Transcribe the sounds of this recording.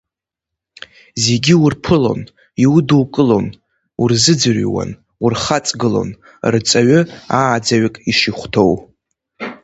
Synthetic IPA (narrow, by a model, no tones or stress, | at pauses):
ze̞ɡʲiwurpʰɨlo̞̰n | iwuduwkʼɨlo̞n | urzɨd͡zɨrwa̰n | urχat͡sʼɡɨlo̞̰n | rt͡sʼaɥʊaːd͡zaɥɪkʼiʂiχʷtʰo̞w